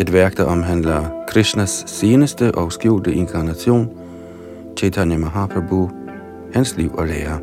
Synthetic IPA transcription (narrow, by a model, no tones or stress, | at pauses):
ed̥ʋæɐɡ̥d̥aʔɒmɦænlɐkʰʁɛɕnɐsːe̝ːnəsd̥əʔɒ̽ʊsɡ̥uʊld̥əʔe̝ŋkʰɑ̈næɕo̝̰ːn | t͡ʃʰet͡sʰanjamaɦɑpʰɐbuː | hænsliʊ̰ʔɒ̽leːɐ